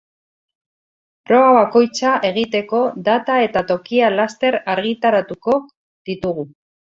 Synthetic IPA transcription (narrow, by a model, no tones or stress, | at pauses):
pɾo̞βaβako̞jt͡saʔe̞ɣ̞it̪e̞ko̞d̪at̪ae̞t̪at̪o̞kialast̪e̞ɾaɾɣit̪aɾat̪uko̞ | ð̥it̪uɣu